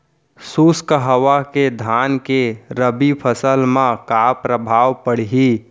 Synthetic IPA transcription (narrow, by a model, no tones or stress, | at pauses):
suskəɦəwaked̪ʱaːnkeɾəbipʰəsəlmãkapɾəbʱaːwpəɽ̤iɦi